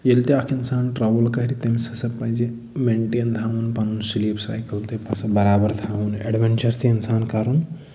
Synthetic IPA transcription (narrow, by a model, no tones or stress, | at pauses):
jelt̪iakʰinsaːnʈɾabɐlkɐɦɾit̪emsɐsɐbpɐjd͡ʒe | meːɳʈeːnt̪ʰaːʋunpɐnunsiliːpsa̰ːjkɐlt̪ʰepɐsɐbɐɾaːbɐɾt̪ʰaːʋunɛ̰ɖʋɐnt͡ʃɐɾt̪ʰiinsaːnkaɾun